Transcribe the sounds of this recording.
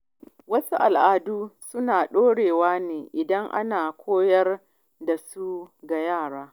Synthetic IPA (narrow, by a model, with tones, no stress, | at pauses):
wɐ˦su˦ʔa˨lʔaː˨duː˦sʊ˦naː˨ɗoː˦ɽeː˨waː˦neː˨ʔɪ˨dɐ˦ŋʔa̰˦naː˨kʷʰoː˦jɐ˦r | da˨su˦ɡa˨jaː˦˨ɽaː˦